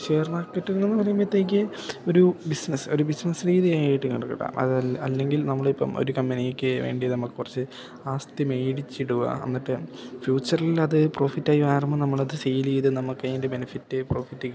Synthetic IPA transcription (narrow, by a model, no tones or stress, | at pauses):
ɕe̞ːrnaːkːɐʈːunenːɨpɐrɐjumet̪ːeːk̬ʲːɨ | o̞ɾubisnɐso̞ɾubisnɐsriːðijaːjiʈːɨkiɽɐkːɐɽa̰ːmʔɐ̰ðɐlːe̞ŋɡilnɐmːɐɭipːɐ̰mo̞̰ɾukɐmbɐnijekʲːɨʋeːɳɖijɐðɨnɐmukːɨkurɐt͡ɕːɨ | aːst̪ɐmejɽit͡ɕːiɽuɣɐ̰ɐ̰nːiʈːefjuːt͡ɕːɐrlilɐðɨpro̞ːfitːaːjimaːrɐmːɐnɐmːɐɭɐðɨsejilijðɨnɐmːukːɐjindebe̞nifitːɨpro̞ːfitːikː